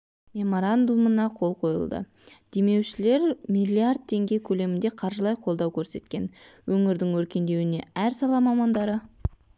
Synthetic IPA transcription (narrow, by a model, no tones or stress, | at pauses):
mʲe̞mo̞ɾand̪umənɑqʰo̞lˠqʰo̞jə̰lˠd̪ə̰ | d̪̥e̞me̞wʃɪle̞ɾmilʲiard̪̚t̪ʰe̞ŋɡʲe̞kʲʰɵle̞mɪnd̪e̞qʰɑɾʒəlˠɑjqʰo̞lˠd̪ɑwkʲʰɵɾse̞t̪kʲe̞nwɵŋɪɾd̪ɪŋwɵɾkʲe̞nd̪e̞wɪne̞æɾsɑlˠɑmɑmɑnd̪ɑɾə